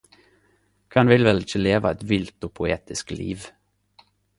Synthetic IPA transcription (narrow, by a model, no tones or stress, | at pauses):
kʰɑnʋɪlʋɛlɪçəleːʋɑ̰ɛt̪ʋɪlt̪oːpʰʊeːt̪ɪsklʔḭːʋ